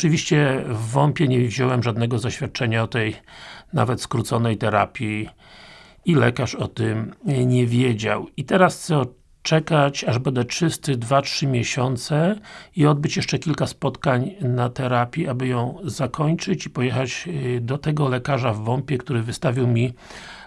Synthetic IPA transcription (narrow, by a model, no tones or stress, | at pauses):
ɔt͡ʂɨvʲiɕt͡ɕɛvːɔmpʲjɛɲɛvʑɔwɛmʐad̪nɛɡɔzaɕfʲat̪̚t͡ʂɛɲaɔt̪ɛjna̰vɛt̪skɾut̪sɔnɛjt̪ɛɾa̰pʲji | ilɛ̰kaʂɔt̪ɪmɲɛvʲjɛd͡ʑa̰wit̪ɛɾast̪sɔ | t͡ʂɛkat͡ɕaʐbɛnd̪ɛt͡ʂt͡ʂɘst̪ɘd̪vatʂɘmʲjɛɕɔnt̪sɛiɔd̪̚bɘt͡ɕjɛʂt͡ʂɛkʲilkaspɔt̪kaɲnat̪ɛɾapʲjiabɘjɔ̃w̃zakʰɔɲt͡ʂɘt͡ɕipɔjɛxad͡ʑd̪ɔt̪ɛɡɔlɛkaʐavːɔmpʲjɛkt̪uɾɘvɘst̪avʲiwmʲi